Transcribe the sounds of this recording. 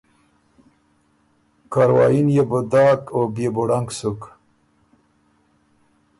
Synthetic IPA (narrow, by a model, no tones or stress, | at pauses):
kaɾwɑ̰ːjinjebud̪aːkobjebuɽaŋɡsuk